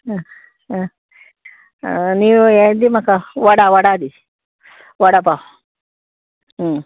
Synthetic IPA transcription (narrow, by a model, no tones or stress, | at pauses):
niojed̪imakawaɽawaɽad̪i | waɽapa